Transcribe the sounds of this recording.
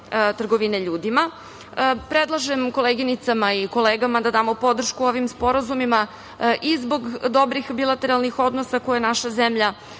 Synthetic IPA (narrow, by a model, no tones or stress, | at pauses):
t̪r̩ɡo̞ʋineʎuːd̪ima | pɾed̪lˠaʒemko̞leɡinit̪samaiko̞leːɡamad̪ad̪aːmo̞po̞d̪r̩ʃkuoʋimspo̞ɾazumima | ʔizbo̞ɡd̪o̞bɾixbilˠat̪e̞ɾalˠnixo̞d̪nosakojenaʃazemʎa